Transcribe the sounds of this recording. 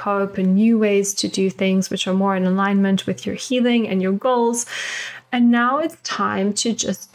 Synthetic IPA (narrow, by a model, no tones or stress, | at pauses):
oʊpɨ̃nːjʉweɪz̥tʰɨdɨθɪ̃ŋzwɨt͡ʃə˞mɔɹɨ̃nəlãɪ̃nmɨ̃nʔwɨðjə̰˞hilˠɪ̃ŋɨ̰̃njə˞ɡoʊlˠz̥ | ɨ̃nːaʊɨtstʰãɪ̃mtʰɨd͡ʒʌst